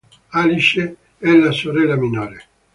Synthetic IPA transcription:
aliʃe | ɛlːasoɾɛlːaminɔːɾe

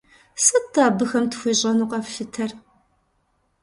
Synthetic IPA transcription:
sɐtʰaːbɨxɐmtxʷiːɕʼɐnuːqʼɐfɬɨtʰɐr

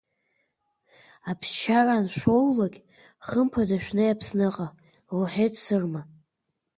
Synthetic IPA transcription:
apʰst͡ʃʰaranʃʷowlaɡʲ | χəmpʰadaʃᶣʷnɨjapʰsnɨqʼa | lħetʰʼsɨrma

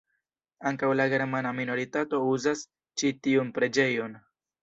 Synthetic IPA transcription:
aŋkawlaɡe̞ɾmanamino̞ɾitato̞uzas | t͡ʃitiunpɾe̞d͡ʒe̞jo̞n

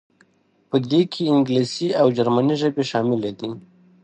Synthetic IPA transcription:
pəd̪ekʰeɪŋɡlisiawd͡ʒaɾmaniʒəbeʃɑːmɪled̪i

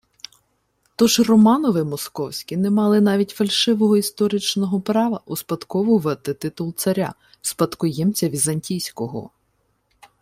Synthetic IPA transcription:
t̪ɔʒrɔmɑnɔʋɪmɔskɔwsʲkʲinɛmɑlˠɪnɑʋʲitʲfɐlʲʃɪʋɔɦɔist̪ɔɾɪt͡ʃnɔɦɔpɾɑʋɐʔuspɐt̪kɔʋʊʋɛɐt̪ɪt̪ɪt̪ʊlˠt̪sɐɾʲa̰ | spɐt̪kʊjɛmt͡sʲɐʋʲizɐnʲtʲijsʲkɔɦɔ̰

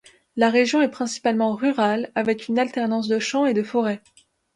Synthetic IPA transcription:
laʁeʒjɔ̃ɛpχɛ̃si̥palmɑ̃ʁyʁalavɛkynalt̪ɛʁnɑ̃s̬d̪əʃɑ̃ed̪əfɔʁɛ

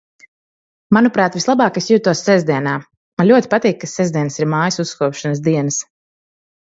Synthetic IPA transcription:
manupɾaːt̪vislˠabaːkisjuːt̪uɔsːɛzd̪ʲiɛnaː | manlʲuɔt̪ʲipat̪iːkːasɛzd̪ʲiɛnsiɾmaːjəsusːkuɔpʃanəsd̪iɛnəs

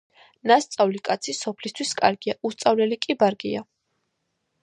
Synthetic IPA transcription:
nast̪sʼavlikʼat̪sʰisɔpʰlist̪ʰwiskʼaɾɡiaust̪sʼavlɛlikʼibaɾɡia

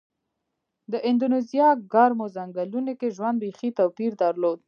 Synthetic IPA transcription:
d̪əʔɪnd̪unezijɑɡɑɾmozaŋɡalunekeʒwand̪ɾixit̪awpiɾd̪aɾlod̪̚

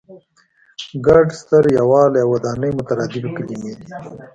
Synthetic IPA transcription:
ɡaɖst̪əɾjawɑːlawad̪ɑːnəjmʊt̪aɾɑːd̪ɪbkəlimed̪i

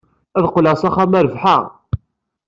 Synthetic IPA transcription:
æðqlæsˤæχæmæɾvħa̰

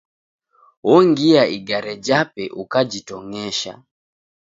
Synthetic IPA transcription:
wɔŋɡiaiɡaɾɛd͡ʒapɛʔukad͡ʒitɔŋɛʃa̰

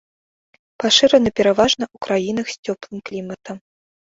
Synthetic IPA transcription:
paʂɨɾɐnɐpʲɛɾavaʐnɐʔukɾajinɐxsʲt͡sʲɔplˠɨmklʲimɐt̪ɐm

